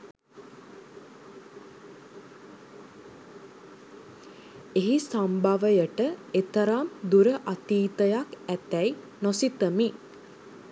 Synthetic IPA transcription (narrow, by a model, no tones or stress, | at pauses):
eɦisambaʋəjəʈəet̪əɾamd̪uɾəʔat̪iːt̪əjakæt̪æj | nosit̪əmi